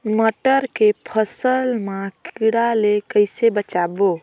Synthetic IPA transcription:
məʈəɾkepʰəsəlmãkiɽalekəjsebət͡ʃabo

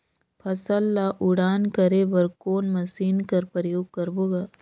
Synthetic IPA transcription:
pʰɐsəlːaʔʊɽaːnkɐɾebɐɾkoːnmɐsiːnkɐɾpɾəjoːɡ̚kɐɾboːɡaː

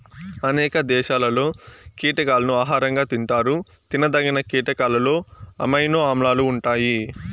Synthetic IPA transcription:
ɐnɛːkɐd̪ɛːʃaːlɐlo̞ːkiːʈɐkaːlɐnuaːɦaːɾɐŋɡaːt̪iɳʈaːɾu | t̪inɐd̪ɐɡinɐkiːʈɐkaːlɐlo̞ːɐ̰mɐjnoaːmlaːluːɳʈaːji

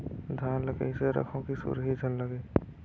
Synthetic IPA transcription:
d̪ʱaːnləɡḛseɾə̰kʰõkisṵɾɦid͡ʒʱənləɡeː

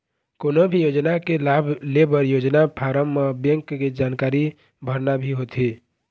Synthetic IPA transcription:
koːnobʱijoːd͡ʒnakelaːbʱlebəɾjoːd͡ʒnapʰaːɾəmːabjə̃ŋkːed͡ʒaːnkaːɾi | bʱəɾnabʱiɦot̪ʰi

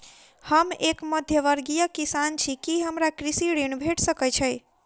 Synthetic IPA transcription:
həmekməd̪ʱjəʋəɾɡijəkisant͡ʃʰikiɦəmɾakɾisiɽinbʱeʈʰsəkət͡ʃʰəj

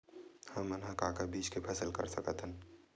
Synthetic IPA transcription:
həːənɦakakabiːt͡ʃkepʰəsəlkə̰ɾsəkət̪ʰən

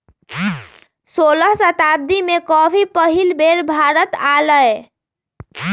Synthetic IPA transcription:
soləɦsət̪ab̚d̪imekɔbʱipəɦilbʱeɾbʱaɾət̪aləe

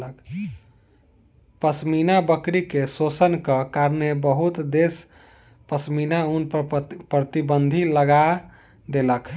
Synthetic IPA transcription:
ək | pəsminabəkɾikesosənkəkaɾnebəɦut̪d̪es | pəsminaunppɾət̪ibənd̪ʱiləɡa | d̪elək

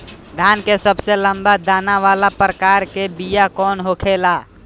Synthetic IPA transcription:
d̪ʱaːnkesəbselə̃mbad̪aːnaʋalapɾəkaːɾkebijakɔːnɦokʰelaː

